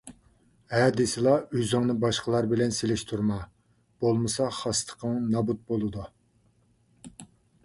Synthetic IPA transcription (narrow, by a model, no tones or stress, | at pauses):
ɛd̪ɪsɪlˠɑyzɪŋnɨbɑʃqəlˠɑɾbɪlɛnselɪʃt̪ʰuɾmɑ | b̥olˠmɨsɑχɑst̪ʰə̥qʰəŋnɑbut̪̚bolˠɨd̪u